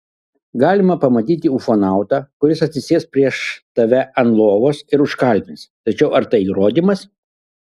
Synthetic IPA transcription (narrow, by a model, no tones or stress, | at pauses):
ɡɑːlʲɪmɐpɐmɐt̪ʲiːt̪ʲɪufoːnɑˑʊt̪ɑːkʊɾʲɪsɐt̪ʲsʲɪsʲeːspʲɾʲiɛʃt̪ɐʋʲɛʔɐnlˠoːʋoːsɪɾʊʃkɐˑlʲmʲɪnst̪ɐt͡ʃʲɛʊɐɾt̪ɐɪiːɾoːd̪ʲimɐs